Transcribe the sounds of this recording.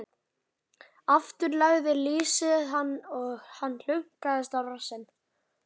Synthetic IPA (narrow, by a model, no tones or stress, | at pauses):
aft̪ʏɾlaɣðɪliːsɪðɦanːɔɣhanːl̥ʏŋ̥kaðɪst̪awrasɪnː